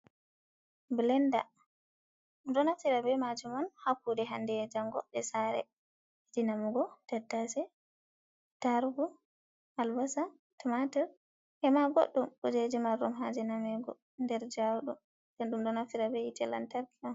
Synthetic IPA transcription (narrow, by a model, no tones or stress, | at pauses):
blɛnda̰ | mdɔnafiɾabɛmad͡ʒumɔnhakːudɛɦandɛd͡ʒaŋɡɔ̰ɗɛsaɾɛ̰ | idinamuɡɔtɛdasɛ | taɾɡu | ʔalbasa | tɔmatɛɾ | ʔɛmaɡo̰ɗːumɔd͡ʒed͡ʒimaɾɔmɦad͡ʒɛnamɛɡɔ̰ | ndɛɾd͡ʒawɗɔ | bɛnɗumdɔnafiɾabɛitɛla̰ntaɾkiɔn